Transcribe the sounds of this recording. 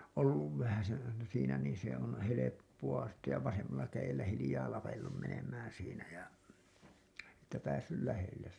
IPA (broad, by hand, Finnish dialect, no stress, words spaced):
olːuʋ ʋæhæsen ɑinɑ siːnæ niːn se on helepːuɑ sitːe jɑ ʋɑsemːɑlːɑ kæjelːæ hilĭjɑː lɑpelːum menemˑæːn siːnæ jɑ etːæ pæːsːyl læhelːes